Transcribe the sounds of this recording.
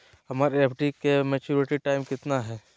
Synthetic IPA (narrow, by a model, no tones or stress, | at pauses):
hɐmaːɾeːpʰɖikemɛt͡ʃuːɾɪʈiʈaːɪmkɪt̪naɦɛː